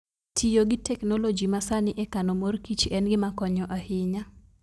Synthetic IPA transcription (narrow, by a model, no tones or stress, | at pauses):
tʰijoɡɪtɛknolod͡ʒimasanɪʔɛkanomorkit͡ʃɛnɡɪmakɔɲɔʔahɪɲa